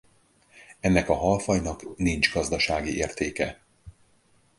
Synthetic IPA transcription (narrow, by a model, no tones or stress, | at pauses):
ɛnːɛkɒɦɒlfɒjnɒknind͡ʒɡɒzd̪ɒʃaːɡiʔeːrt̪eːkɛ